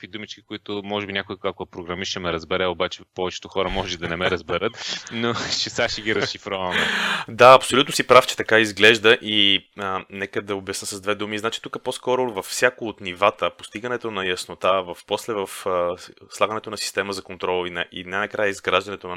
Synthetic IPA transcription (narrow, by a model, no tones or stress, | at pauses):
vid̪umit͡ʃkʲi̥kʊit̪ʊmɔʒɛbinʲakʊiakoɛpɾoɡɾɐmiʃʃɛmɛɾəzbɛɾɛobat͡ʃɛpɔvɛt͡ʃɛ̥t̪oxɔɾəmɔʒɛd̪ɐnɛmɛɾɐzbɛɾət̪not͡ʃɛsaʃiɡʲiɾɐsʃifɾɔvɐmɛd̪aɐpsolʲut̪nosipɾaft͡ʃɛ̥t̪ɐkaizɡlɛʒd̪əʔi | nɛkəd̪ɐobɛsnəsɐzd̪vɛd̪umiznat͡ʃi̥t̪ukəposkɔɾʊvɐfsʲjakoːt̪nivat̪əpost̪iɡɐnɛt̪onɐjɐsnot̪avɐfposlɛvɐf | slˠaɡənɛt̪onɐsi̥st̪ɛməzɐkont̪ɾɔlˠvinɛʔḭnajnɐkɾajəizɡɾaʒd̪ɐnɛt̪on